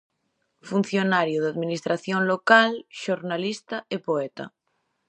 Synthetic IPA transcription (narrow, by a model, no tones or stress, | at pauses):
fun̟θjonaɾjoðaðmĩnist̪ɾaθjonlokalʃoɾnalist̪aepoet̪a̰